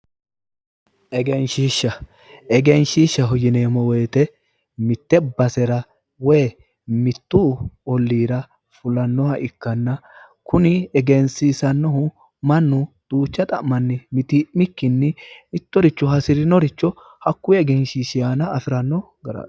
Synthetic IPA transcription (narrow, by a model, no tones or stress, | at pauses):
ʔɛɡɛnʃiːʃːɐ | ɛɡɛnʃiːʃːɐɦɔjɪneːmɔwɛjt̪ɛ | mɪt̪ːɛbɐsɛɾɐ | wɛː | mɪt̪ːuɔlːiːɾɐ | fʊlɐnːɔhɐʔɪkːɐnːɐ | kʊnɪɛɡɛnsisɐnːɔɦʊ | mɐnːʊd̪̥ʼuːt͡ʃːɐt̪ʼɐʔmɐnːɪmɪt̪ɪmɪkːɪnːɛɪt̪ːɔɾɪt͡ʃːɔɦɐsɪɾɪnɔɾɪt͡ʃːɔ | hɐkːʊjɛɡɛnʃiːʃɪjaːnɐːfɪɾɐnːɔ | ɡɐɾɐ̰